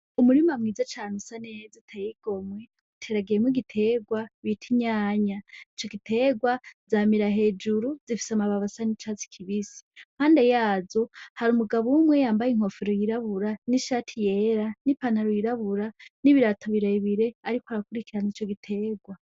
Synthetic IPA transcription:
umuɾimamŋiːzat͡ʃaːnusanezitʰajiɡ̥o̞mwe | utʰe̞ːɾaɡejemwiɡitʰe̞ɡwaβitʰiɲaːɲait͡ʃo̞ɡitʰe̞ːɡwazaːmiɾaɦe̞ːd͡ʒuɾuzifi̥samaβaβasanit͡ʃaːt͡si̥kʰiβisi̥m̥haːnde̞jaːzo̞haɾumuɡaβumwe̞jaːmbajiŋ̥ho̞fiɾojiɾaβuɾaniʃaːtʰije̞ːɾanipanaɾojiɾaβuɾaniβiɾatʰoβiɾaiβiɾe̞aɾikoaɾakuɾikiɾanit͡ʃo̞ɡitʰe̞ːɡwa

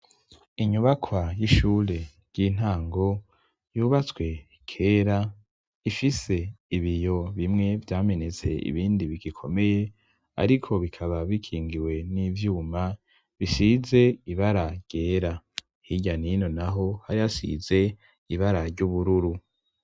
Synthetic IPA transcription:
iɲuβakʰwajiʃuːɾe̞ | ɾɟ̥in̥haːŋɡo̞ | juːβat͡swe̞ | kʰe̞ːɾa | ifise̞iβijo̞βimŋe̞vjaːme̞ne̞t͡se̞̰ḭβiːndiβiɡikʰo̞me̞je̞ | a̰ɾikʰo̞βikʰaβaβikʰiːŋɡiwe̞nivjuːma | βisize̞iβaɾaɾɟ̥eːɾa | hiɟanino̞naɦo̞haɾihasḭze̞ | iβaɾaɾɟuβuɾuɾu

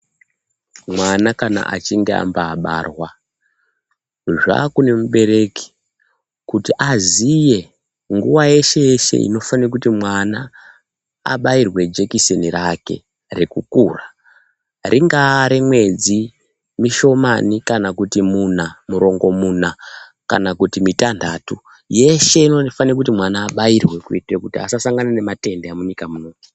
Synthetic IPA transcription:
mwanakana̰ʔat͡ʃiŋɡea̰mbaːɓa̰rwa | ʐa̰kune̞muɓe̞ɾe̞ki̥ | kutiʔazije̞ | ŋɡuʋaje̞ʃe̞eʃe̞̰ḭno̞fanirakutimwana | a̰ɓairwe̞d͡ʒe̞kisenirake̞̰ | rekukuːra | rʔiŋɡaɾimwe̞d͡zi | miʃo̞manikanakutimunamuɾo̞ŋɡo̞muːna | ka̰nakutimitandʱatu | je̞ʃe̞inofaniakut̬imwanaːɓajirwe̞kuitekutia̰sasaŋɡanane̞mate̞ndeamuɲikamuno̞ːti̥

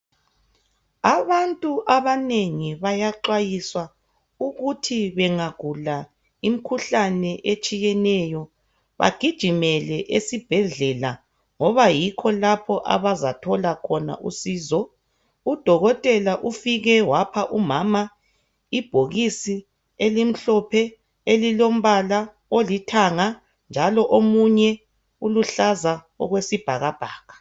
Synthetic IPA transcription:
aβantʼuʔaβaneŋiβajaǃwajiswa | uɣutʰiβɛŋaɡ̥ʱula | im̩kʰuɬanɛʔet͡ʃʼijɛnɛjɔ | βa̰ɡ̥ʱid̥ʒ̥ʱimɛlɛʔesib̥ʱɛɮɛla | ŋɔβajikʰɔlapʰɔʔa̰βazatʰɔlakʰɔna̰ʔusiːzɔ | ud̥ʱɔɣɔtʼɛlaʔufiɣɛwapʰaʔumama | ib̥ʱoɣisi | elim̩ɬɔpʰɛ | elilom̩βala | olitʰaŋa | nd͡ʒʱalɔʔomuɲɛ | uluɬaza | ɔ̰ɣwesib̥ʱaɣab̥ʱaːɣa

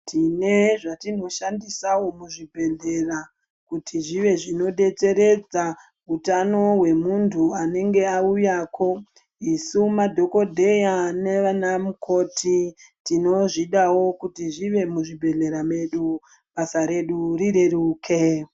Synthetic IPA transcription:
tʰine̞ʐatino̞ʃandisawo̞muʐibʱe̞ɮe̞ra | kutʰiʐiʋe̞ʐino̞ɗe̞t͡se̞ɾe̞d͡za | utano̞ɦwe̞muntʰuane̞ŋɡe̞aujaːko̞ | isumadʱo̞ko̞dʱe̞jane̞ʋanamukʰo̞tʰitino̞ʐiɗawo̞kutiʐiʋe̞muʐibʱe̞ɮe̞ɾame̞ɗu | ɓasaɾe̞ɗuɾiɾe̞ruːkʰe

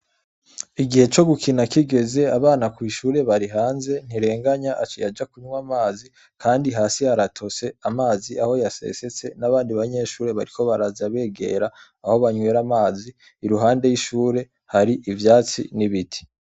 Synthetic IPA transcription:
iɡihe̞t͡ʃo̞ɡukʰinakiɡe̞ze̞aβaːnakwiːʃuːɾe̞βaɾiɦaːnze̞n̥iɾe̞ːŋɡaɲaʔat͡ʃijad͡ʒakuɲwamaːzi | kʰaːndiɦaːsihaɾatʰo̞se̞amaːziʔaho̞jase̞̰se̞t͡se̞naβaːndiβaɲe̞ːʃuːɾe̞βaɾikʰo̞βaɾazaβe̞ːɡe̞̰ɾaː | ho̞βaɲweːɾamaːziː | ɾuɦaːnde̞jiʃuːɾe̞ | haɾiʔivjaːt͡sḭniβitʰi̥

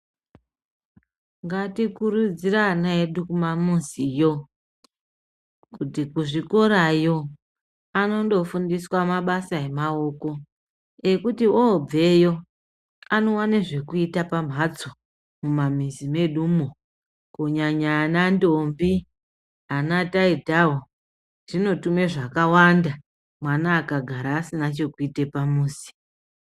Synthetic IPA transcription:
ŋɡatikurud͡ziraːnaeɗukumamunsijo̞ | kutikuʐiko̞ɾajo̞ | ano̞ndo̞fundiswamaɓasae̞mao̞ko̞ | e̞kutiʔob͡ve̞jo̞ | ano̞waneʐe̞kuitapam̤ɦat͡so | mumam̤izime̞ɗumo | koɲaɲaːnandombi | anataidʱao | ʐ̥ino̞tume̞ʐakawanda | mwanaːkaɡʱaɾaːsinat͡ʃe̞kuite̞pamuːsi̥

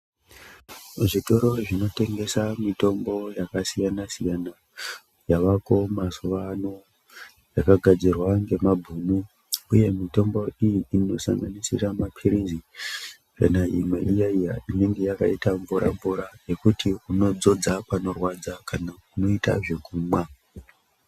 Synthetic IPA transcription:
ʐito̞ɾo̞ʐino̞te̞ŋɡe̞samito̞mbo̞jakasijanasijana | jaʋako̞masoʋano | jakaɡʱad͡zirwaŋɡe̞mabʱunu | uje̞mito̞mbo̞ijiːno̞sa̰ŋɡanisḭramapʰiɾizi | ka̰naimwe̞ʔijaijaine̞ŋɡe̞jaka̰itaɱvuɾʔa̰ɱvuɾaje̞kutʰiuno̞d͡zo̞d͡zapano̞rwad͡zakanakuno̞ita̰ʐe̞kuːmwa

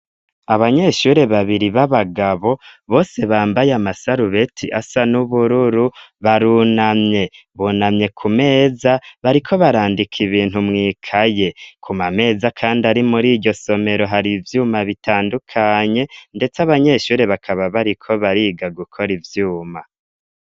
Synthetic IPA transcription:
aβaɲe̞ʃuːɾe̞βaβiɾiβaβaɡaβo̞βo̞ːse̞βaːmbajamasaɾuβe̞tʰiʔasanuβuɾuɾuβaɾunamɲe̞ | βuːnamɲe̞kʰume̞ːzaβaɾikʰo̞βaɾaːndikʰiβiːn̥humŋiːkʰaje̞kʰumame̞ːzakʰaːndiaɾimuɾiːɟo̞so̞me̞ɾo̞ɦaɾivjuːmaβitʰaːndukʰaɲe̞nde̞t͡saβaɲe̞ʃuːɾe̞βakʰaβaβaɾikʰo̞βaɾiːɡaɡukʰo̞ɾivjuːma

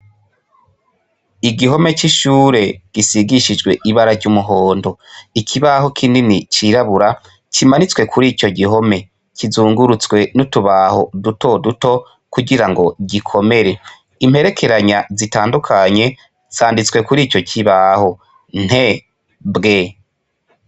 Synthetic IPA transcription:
iɡiɦo̞me̞t͡ʃiʃuːɾe̞ɡ̥isiɡiʃid͡ʒɡwe̞ʔiβaɾavɟumuɦoːndo̞ikʰiβaɦo̞kʰininit͡ʃiɾaβuɾa | t͡ʃimanit͡swe̞kʰuɾiːt͡ʃo̞ɡiɦo̞me̞ | kizuːŋɡuɾut͡swe̞nutuβaho̞duto̞duto̞ | kuɡiɾaŋɡo̞ɟikʰo̞me̞ɾe̞ | imhe̞ɾe̞kʰe̞ɾaɲazitaːndukʰaɲe̞ | zaːndit͡swe̞kuɾiːt͡ʃo̞cʰiβaho̞ | n̥he̞ | bɡe̞

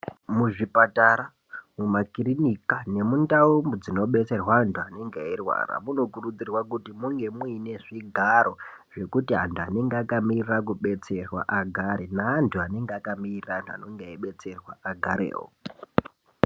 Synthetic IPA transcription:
muʐipataɾa | mumakiɾinikane̞mundaumbud͡zino̞ɓe̞t͡se̞rwaːntʰuane̞ŋɡairwa̰ra̰muno̞kurud͡zirwakutimuŋɡe̞muine̞ʐiɡʱaɾo̞ | ʐ̥e̞kutiɦa̰ntʰuane̞ŋɡeakamirirak̬uɓe̞t͡se̞rwa̰ʔaɡʱaɾenaːntʰuane̞ŋɡeakamirirantua̰noŋɡeaiɓe̞t͡se̞rwaʔaɡʱaɾḛːɦo̰

